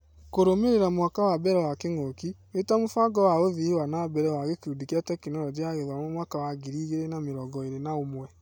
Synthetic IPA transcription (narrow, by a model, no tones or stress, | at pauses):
koɾomeɾeɾamwaːkawabɛɾɛwakeŋokiwetamofaɡɔwaoðiiwanabɛɾɛwaɣekeudikiatɛkenɔɾɔd͡ʒeaɣeðɔmɔmwakawaɡiɾiːɣeɾenameɾɔɡɔeɾenaomwɛ